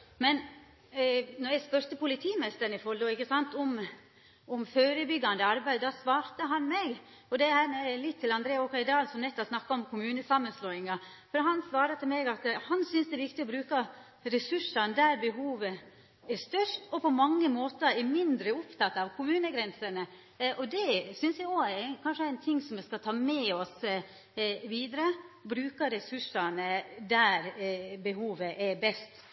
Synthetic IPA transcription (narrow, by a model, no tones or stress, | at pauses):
mɛn | nɔɾjæɪspœɾt̪əpʊlɪt̪ʰiːmɛst̪əɾnɪfɔld̪ɔɪkːəsɑnt̪ɔm | ɔmføːɾəbʏɡːɑnd̪əɑɾbæɪd̪ɑsʋɑːɾt̪əɦɑnmɛɡ | ɔd̪ɛhæːɾælɪt̪ʰːɪlɑnd̪ɾeːɔkɑɪd̪ɑːlsɔmnɛt̪ːɔsnɑkːɑɔmkʰʊmʉːnəsɑmːənsloːɪŋɑ | fɔɾɦɑnsʋɑːɾət̪ʰɪlmɛɡɑt̪hɑnsʏnsd̪ɛʋɪkt̪ɪɔbɾʉːkɑ | ɾɛsʉʂɑnd̪æɾbɛɦuːʋə | æʂt̪œʂtɔpʰɔmɑŋːəmoːt̪əɾɛɾmɪnd̪ɾəʊpt̪ʰɑt̪ːɑʋkʰʊmʉːnəɡɾɛnsənə | ʔɔd̪ɛsʏnsjæɪɡokʰɑnʂəæɪnt̪ʰɪŋːsɔmʋɛskɑt̪ʰɑːmɛɔs | ʋiːd̪ɾəbɾʉːkəɾɛsʉʂːɑnəd̪æɾbɛhuːʋəʔɛɾbɛst̪